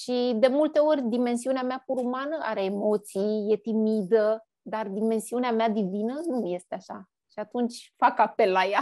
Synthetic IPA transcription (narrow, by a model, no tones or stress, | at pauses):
ʃid̪e̞mult̪e̞o̞rʲd̪ime̞nsiuneameapuɾumanəʔa̰ɾe̞ːmo̞t̪sijje̞t̪imid̪ə | d̪ard̪ime̞nsiuneamead̪ivinənuje̞st̪eaʃa | ʃiat̪unt͡ʃʲfakape̞lːaja